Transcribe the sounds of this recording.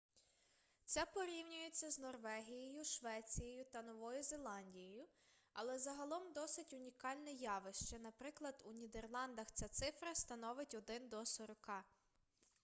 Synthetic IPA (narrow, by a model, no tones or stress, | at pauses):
t͡s̪ʲɛpɔɾʲiwnʲʊjet͡sʲːɐznɔrʋɛɦʲijejʊʃʋɛt͡sʲijejʊt̪ɐnɔʋɔjʊze̞lˠɑnʲdʲijejʊ | ɐlˠɛzɐɦɐlˠɔmd̪ɔsɪtʲʊnʲikɑlʲnɛjɑʋɪʃt͡ʃɛnɐpɾɪklˠɐd̪unʲid̪erlˠɑnd̪ɐxt͡sʲat̪sɪfɾɐst̪ɐnɔʋɪtʲɔd̪ɪnd̪ɔsɔɾɔkɑ